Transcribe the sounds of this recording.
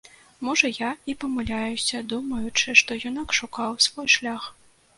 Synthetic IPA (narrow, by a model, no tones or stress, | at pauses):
mɔʐɐjaipɐmɨlʲajusʲɐd̪umɐjut͡ʂɨʂt̪ɔjɔnakʂukawsvɔjʂlʲax